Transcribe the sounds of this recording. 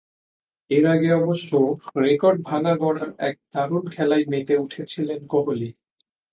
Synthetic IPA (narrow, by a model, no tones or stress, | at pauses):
eɾaɡeɔboʃːoɾekɔɾɖ̚bʱanabɔɽaɾɛk̚t̪aɾunkʰɛlaemet̪euʈʰet͡ɕʰilenkoɦoli